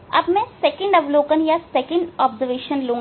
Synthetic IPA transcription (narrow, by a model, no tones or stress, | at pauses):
ɐ̰bmɛ̃sɛːkə̃ɳɖɐʋloːkənjasɛkə̃ɳɖɔːbzəɾʋeːʃənlõː